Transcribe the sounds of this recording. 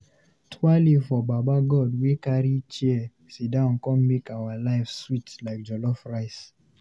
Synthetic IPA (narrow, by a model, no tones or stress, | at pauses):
tʰwalifɔbabaɡɔdwikaɾit͡ʃiɛ | sidãnkɔ̃mmekawalaɪfswitlaɪk̚d͡ʒɔlɔfɹaɪs